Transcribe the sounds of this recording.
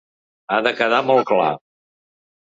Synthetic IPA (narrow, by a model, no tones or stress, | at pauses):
aðəkəðamɔlˠkla̰